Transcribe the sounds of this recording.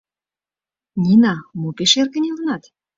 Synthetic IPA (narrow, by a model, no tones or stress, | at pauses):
nʲinɑmopeʃerkə̆nʲelɤ̆nɑt̪